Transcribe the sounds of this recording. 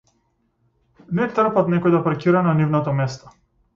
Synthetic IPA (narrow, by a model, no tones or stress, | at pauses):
nɛt̪r̩pat̪nɛkɔjd̪apaɾkʲiɾananivnat̪ɔmɛst̪ɔ̥